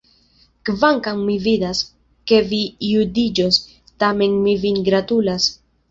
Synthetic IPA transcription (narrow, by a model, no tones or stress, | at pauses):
kvaŋkaŋmividas | ke̞vijudid͡ʒos | tame̞nmivinɡɾatulas